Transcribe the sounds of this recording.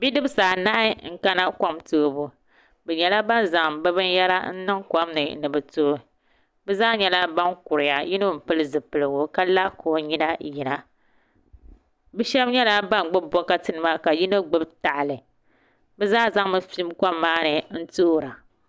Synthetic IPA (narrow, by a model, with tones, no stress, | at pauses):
bi˦dɨ˦bsaː˨na˦ɪ˦ŋ̩˦ka˦na˦kʷa˦mtoː˦bu˨ | bɛ˨ɲɛ˨la˦ba˦nza˨ŋbɛ˦bɨ˦n˦jɛ˦la̰˦n̩˦nɨ˦ŋkʷa˦mnɨ˨nɨ˨bɨ˨to˦ | bɛ˦zaː˦ɲɛ˦la˦ba˦ŋkʊ˨ɾɪ˨ja˨ji˦no˦˨m̩˨pɨ˦lɨ˦zɨ˨pɨ˨lɨ˨ɡo˦ka˦la˦kʰo˨ɲi˦na˦ji˨na˦ | bɛ˦ʃɛ˦bɲɛ˦la˦ba˦n˨ɡ͡bɨ˦bɔ˦ka˦tɨ˦nɨ˦ma˦ka˨ji˦no˦ɡ͡bɨ˦bta˨ʔlɨ˨ | bɛ˦zaː˦za˦ŋ˦mɨ˨fi˦mka˦mːaː˦nɨ˨n̩˦to˦˨ɾa˨